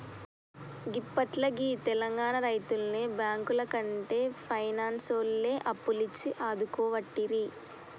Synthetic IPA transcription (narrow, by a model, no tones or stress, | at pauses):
ɡipːɐʈlɐɡit̪ɛlɐŋɡaːɳɐɾɐjt̪ulneːbjaːŋkulɐkɐɳʈeːpʰɐjnaːnsoːlːeːʔɐpːulit͡ʃːiʔaːd̪ukɔːʋɐʈːiɾi